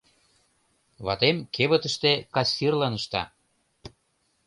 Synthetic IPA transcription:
βɑt̪emkʰeβə̆t̪əʃt̪ekɑsʲːirlɑnəʃt̪ɑ̰

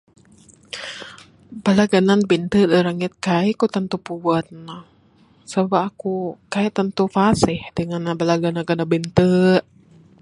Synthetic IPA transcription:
balaɡananbint̪əʔdəɾaŋɪt̪̚kaɛkut̪ənt̪upuwət̪̚nɔh | səbaakukaɛt̪ənt̪ufasɪhdəŋanabalaɡanaɡanabint̪əʔ

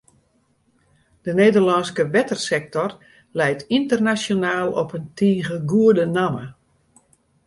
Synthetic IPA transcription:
d̥əneːdərlɑnskəʋɛtərsɛk̚tɔr | lɛjtintərnasjonaːlˠɔpəntʰiːɣəɡuədənamə

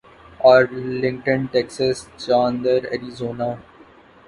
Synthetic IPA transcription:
ɔːɾlɪ̃ŋkʈə̃nʈɛksəst͡ʃãːnd̪əɾɛ̰ɾizoːnaː

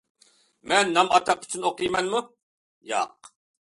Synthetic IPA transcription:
mɛnːɑmɑt̪ʰɑq̚pʰi̥t͡ʃʰynoqijmɛnmu | jɑ̰ːq

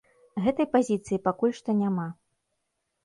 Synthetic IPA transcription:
ɣɛt̪ɐjpazʲit̪sɨjipakulʲʂt̪ɔnʲama

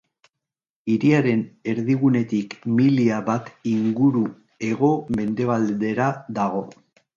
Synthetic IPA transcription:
iɾiaɾe̞ne̞ɾðiɣ̞une̞t̪ikmiliaβat̪iŋɡuɾu | e̞ɣ̞o̞me̞nd̪e̞β̞ald̪e̞ɾad̪aɣ̞o̞

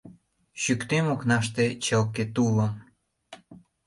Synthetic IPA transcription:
ɕykt̪emoknɑʃt̪et͡ɕəlket̪uləm

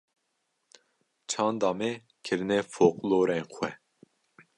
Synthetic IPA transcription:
t͡ʃʰɑːnd̪ɑːmɛ | kʰɨɾnɛfoːqʼloːɾɛnxʷwɛ

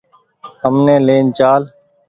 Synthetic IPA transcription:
həmneːleːnt͡ʃaːl

